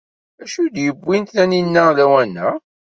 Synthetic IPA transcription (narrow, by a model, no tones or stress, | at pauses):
æʃud̪jəbːint̪næninːælæwænːæ